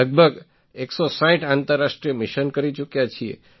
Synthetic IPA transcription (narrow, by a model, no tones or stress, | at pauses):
əɡ̚bʱəɡ | eksosãĩʈãnt̪əɾːaʃʈɾijəmɪʃənkəɾit͡ʃukjat͡ʃʰiḛ